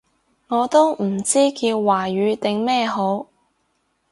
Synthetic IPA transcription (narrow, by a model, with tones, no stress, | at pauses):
ŋɔː˨˧t̪o˥wm̩˨˩t͡siː˥kiː˧wwaː˨˩ɥyː˨˧˥t̪ɪ˨ŋmɛː˥˧ɦo˨˥w